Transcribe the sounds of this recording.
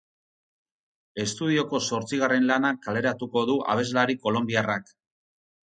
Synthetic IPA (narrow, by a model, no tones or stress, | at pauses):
e̞st̪uð̞io̞ko̞so̞ɾt͡siɣ̞are̞nlanakale̞ɾat̪uko̞ðuʔa̰β̞e̞zlaɾiko̞lo̞mbiarak